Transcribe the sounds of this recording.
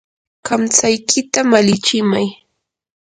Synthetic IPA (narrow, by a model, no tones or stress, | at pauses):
kamt͡sajkʰɪt̪amalɪt͡ʃɪmaj